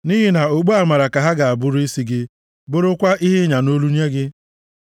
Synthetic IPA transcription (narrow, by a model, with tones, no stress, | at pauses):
ni˦ɦɪ˦na˨o˨ɡ͡bu˦a˨ma˨ɾa˨ka˨ɦa˦ɡa˨a˨bʊ˦ɾi˦si˦ɡɪ˦ | bʊ˦ɾʊ˦kʷa˦ʔi˦ɦɪ˦ɲa˨no˦lu˦n˦e˦ɡɪ˦